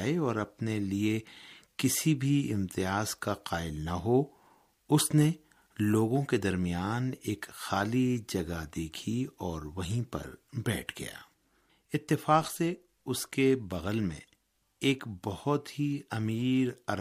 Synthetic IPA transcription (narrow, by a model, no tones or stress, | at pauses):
eɔːɾɐpneliekɪsibʱiɪmt̪ɪjaːzkaqaːɪlnaɦo | ʊsne | loːɡõked̪ɐɾmijaːneːkxaːlid͡ʒɐɡad̪eːkʰiɔːɾʋɐɦĩpɐ̰ɾbɛːʈʰɡɐ̰ja̰ː | ɪt̪ːɪfaːqse | ʊskebɐɣəlmḛ̃ | eːkbɐhʊt̪ɦiɐmiːɾɐɾ